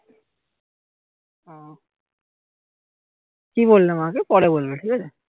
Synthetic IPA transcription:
ɔ̃ | kibolːemaãkepɔɾebolbeʈʰiːkɛt͡ɕʰe

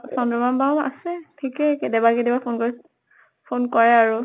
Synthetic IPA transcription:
sɔndɔmambawa̰sɛtʰikɛkɛdɛbakedibaponkɔɹi | pʰonkɔɹɛaɹu

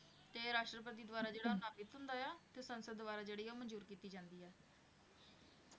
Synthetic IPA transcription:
t̪eːɾaːʃʈɾəpət̪̬iːd̪ʋaːɾaːd͡ʒeːɽaːnaːbɪt̪ɦʊnd̪aːaːt̪eːsənsəd̪ːʋaːɾaːd͡ʒeːɽiːoːmənd͡ʒuːɾkiːt̪iːd͡ʒãːnd̪iːɛː

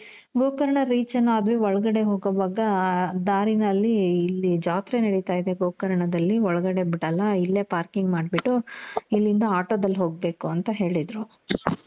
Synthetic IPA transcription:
ɡoːkɐɾɐɳɐɾiːt͡ʃɐnːaɐd̪ʋeɔɭɐɡɐɽe̞ɦoːɡɐʋɐɡɐd̪aːɾinɐlːiːlːid͡ʒaːt̪ɾenɐɽit̪aːjid̪eɡoːkɐɾɐɳɐd̪ɐlːiɔɭɐɡɐɽebiɽɐlːɐilːe̞ːpaːɾkiŋɡmaːɖbiʈːuilːind̪ɐaːʈoːd̪ɐlːɦoːɡ̚be̞ːkuɐnt̪ɐɦe̞ːɭid̪ɾu

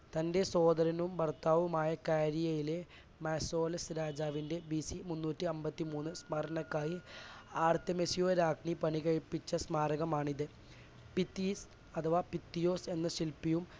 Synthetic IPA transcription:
t̪ɐnde̞so̞ːd̪ɐɾɐnumbɐrt̪ːaːʋumaːjɐkaːɾijɐjile | maːso̞ːlɐsɾaːd͡ʑaːʋinde̞bisimunːuːtːiɐmbɐt̪ːimuːnːɨsmɐɾɐɳɐkːaːjiaːrt̪ɐmesijo̞ːɾaːkɳipɐɳikɐɻipːit͡ɕːɐsmaːɾɐɣɐmaːɳiðɨ | pit̪ːis | ɐt̪ʰɐʋaːpit̪ːijo̞ːse̞nːɐɕilpːijum

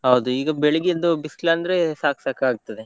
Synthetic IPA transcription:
ɦɐwd̪uiːɡɐbeɭɐɡijɐnd̪ubisklaːnd̪ɐɾesaːksaːkaːɡ̚t̪ːɐd̪e

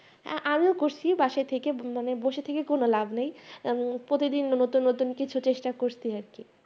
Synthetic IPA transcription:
ʔamiokoɾt͡ɕʰibaʃaet̪ʰekemaneboʃet̪ʰekekonolabʱnej | pɾot̪id̪inːnot̪unːot̪unkit͡ɕʰut͡ɕeʃʈakoɾt͡ɕʰiaɾki

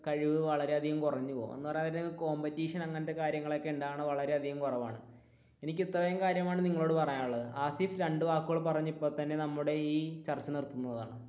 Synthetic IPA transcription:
kɐɻiʋɨʋɐɭɐɾe̞ɐd̪ʱiɣɐmkurɐɲːupo̰ːo̰nːuɨpɐrɐɐɐɾnɐŋːɐko̞ːmbɐtːiːʂɐnɐŋːɐnɐt̪ːekaːɾjɐŋːɐɭo̞kːeuɳɖaːɳɨʋɐɭɐɾe̞ɐd̪ʱiɣɐmkurɐʋa̰ːɳɨ | e̞nikʲːit̪ːrɐʋejumkaːɾjɐmaːɳɨniŋːɐɭo̞ːɽɨpɐrɐjaːuɭːɐðɨaːsifɾeɳɖɨʋaːkːɨɣɐɭpɐrɐɲːipːo̞ːt̪ɐnːe̞nɐmːuɽe̞iːt͡ɕɐrt͡ɕːɐnirt̪ːunːɐðaːɳɨ

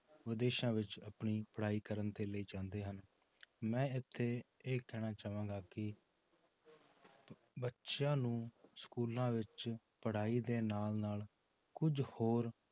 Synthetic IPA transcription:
ʋɪd̪eːʃãːʋɪt͡ʃəpɳiːpəɽ̤aːiːkəɾənt̪eːləiːt͡ʃãːnd̪eːɦən | mɛ̃ːɪt̪ʰːeːeːkɛːɽ̃aːt͡ʃaːʋãːŋɡaːkɪ | bətːʃãːnũːskuːlãːʋɪt͡ʃ | pəɽ̤aːiːd̪eːnaːlnaːl | kʊd͡ʒhoːɾ

